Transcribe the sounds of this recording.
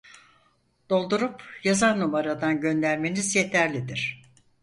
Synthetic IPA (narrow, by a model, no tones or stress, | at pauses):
d̪̥o̞lˠd̪uɾupjazaɾnumaɾad̪anɟø̞nd̪æɾme̞nizje̞t̪ʰæɾlʲid̪iɾ̥